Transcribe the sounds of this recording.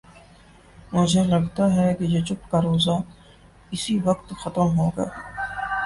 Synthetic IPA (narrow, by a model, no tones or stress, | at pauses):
mʊd͡ʒʱelɐɡt̪aɦɛkejet͡ʃʊp̚kaɾoːza | ɪsiʋɐkt̪xɐt̪əmɦoːɡɐa̰ː